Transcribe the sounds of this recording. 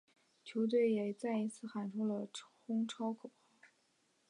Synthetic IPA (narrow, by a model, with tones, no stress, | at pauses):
t͡ɕʰjo˧˥ʊt̪we˥˩ɪjɛ˨˩t͡sa˥˩ɪi˧˥t͡sʰɹ̩˥˩xa˨˩nʈ͡ʂʰu˥lə˧ʈ͡ʂʰxʊ˥ŋʈ͡ʂʰɑ˥ʊkʰo˨˩x